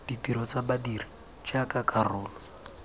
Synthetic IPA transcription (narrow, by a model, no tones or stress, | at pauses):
d̥itiɾɔt͡sabadiri | t͡ʃakakʼarʊːlɔ